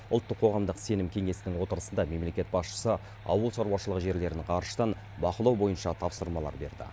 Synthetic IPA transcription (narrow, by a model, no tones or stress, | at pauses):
ʊlˠt̪ːəqʰːo̞ʁɑmd̪əqse̞nɪmkʲʰe̞ŋe̞sɪnɪŋwo̞t̪əɾəsənd̪ɑme̞mle̞kʲe̞t̪̚bɑsʃə̥sə | ɑ̰wəlˠʃɑɾwɑʃəlˠəʁəʒe̞ɾle̞ɾɪnɪɴqʰɑɾʃə̥t̪ɑn | bɑqəlˠɑwbo̞jənʃɑt̪ʰɑpsəɾmɑlˠɑ̰ɾbe̞̰ɾd̪ɪ̰